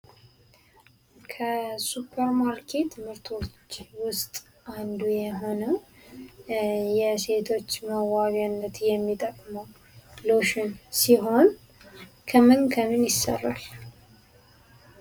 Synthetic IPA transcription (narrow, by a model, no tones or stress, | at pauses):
kʰəsupʰːəɾmaɾkʰet̪mɨɾt̪ʰo̞t͡ʃːwʊst̪ʼ | and̪ujɛɦo̞nə | jɛse̞t̪ʰo̞t͡ʃːməwaβanːət̪jɛmːit̪ʼəkʼməw | loʃɪnsiɦo̞n | kʰəmɨnkʰəmɨnjɪsːə̰rːa̰l